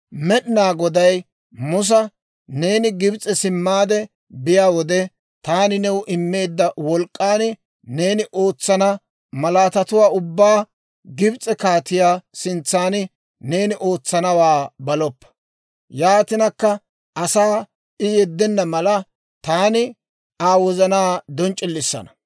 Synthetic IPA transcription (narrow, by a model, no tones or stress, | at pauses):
mɛɗɪnaːɡɔd̪ɐj | mʊs̬ɐ | ne̞ːnɪɡɪbt͡sʼːɛsɪmːaːd̪ɛ | bɪjaːwɔd̪ɛ | t̪aːnɪnɛwʔɪmːe̞ːd̪ːɐwɔlkʼːaːnɪ | ne̞ːnɪʔo̞ːt͡sːɐnɐ | mɐlaːt̪ɐt̪ʊwaːʊbːaː | ɡɪbt͡sʼːɛkaːt̪ɪjaːsɪnt͡sːaːn | ne̞ːnɪʔo̞ːt͡sːɐnɐwaːbɐlɔpːɐ̥ | jaːt̪ɪnɐkːɐ | ʔɐsaː | ɪjɛd̪ːɛnːɐmɐlɐ | t̪aːnɪ | aːwɔzɐnaːd̪ɔnt͡ʃʼɪlːɪsːɐ̰nɐ̥